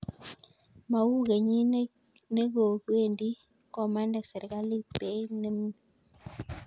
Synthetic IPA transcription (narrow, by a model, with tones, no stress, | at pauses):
ma˨wu˦ɡe˨ɲi˦ | ne˦ɡo˨kwe˦˨ndi˦ | kɔ˨ma˦ndɛ˨sɛ˨ɾka˦li˦pe˨˦ne˦m˦˨